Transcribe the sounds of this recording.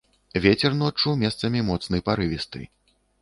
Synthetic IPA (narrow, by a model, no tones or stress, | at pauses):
vʲet͡sʲɛrnɔt͡ʂːumʲɛst̪sɐmʲimɔt̪sn̪ɨjpaɾɨvʲist̪ɨ̰